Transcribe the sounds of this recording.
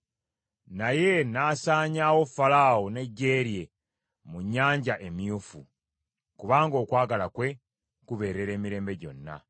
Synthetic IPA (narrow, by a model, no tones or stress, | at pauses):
naje̞naːsaːɲaːwo̞falaːwone̞ɟːe̞ːɾje̞ | muɲːaːɲɟaʔe̞mjufu | kuβaːŋɡo̞ːkwaːɡalakwe̞ | kuβe̞ːɾe̞ɾe̞ːmiɾe̞ːmbe̞ɟo̞̰nːa̰